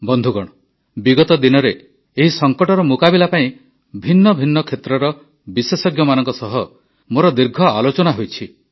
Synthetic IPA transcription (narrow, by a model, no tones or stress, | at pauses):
bɔnd̪ʱuɡɔɽ̃ɔ | biɡɔt̪ɔd̪inɔɾeː | ɦisɔŋkɔʈɔɾɔmukabilapaĩ | bʱinːɔbʱinːɔkʰet̪ɾɔɾɔ | bisesɔɡjɔmanɔŋkɔsɔɦɔ | moɾɔd̪iɾɡʱɔalot͡ʃɔnaɦojt͡ʃʰi